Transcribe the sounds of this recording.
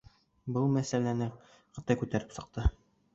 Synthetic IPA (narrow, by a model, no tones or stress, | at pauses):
bɤlˠmæsælænɘ | qɤ̆t̪ɑjkʉt̪æɾɘpsɤ̆q̚t̪ɤ